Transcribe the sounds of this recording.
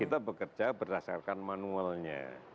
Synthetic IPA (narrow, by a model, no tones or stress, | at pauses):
it̪abəkərd͡ʒabərdasa̰rkanmanualɲa̰